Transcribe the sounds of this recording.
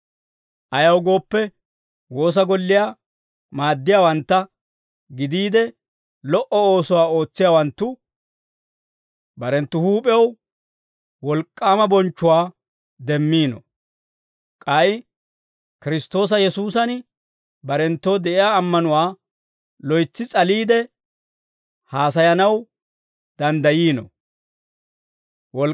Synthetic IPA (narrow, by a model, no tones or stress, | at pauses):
ʔɐjɐwɡo̞ːpːɛ | wo̞ːs̬ɐɡɔlːɪjaː | maːd̪ːɪjaːwɐnt̪ːɐ | ɡɪd̪iːd̪ɛ | lɔʔɔo̞ːsɔwaːo̞ːt͡sːɪjaːwɐnt̪ːʊ | bɐɾɛnt̪ːʊhuːpʼɛɐw | wɔlkʼːaːmɐbɔnt͡ʃːʊwaː | d̪ɛmːiːnɔ̰ | kʼɐj | kɪɾɪst̪o̞ːs̬ɐjɛsuːsɐn | bɐɾɛnt̪ːoːd̪ɛʔɪjaːɐmːɐnʊwaː | lɔjt͡sːɪt͡sʼɐliːd̪ɛ | haːs̬ɐjɐnɐw | d̪̥ɐnd̪ɐjiːnɔ̰ | wɔl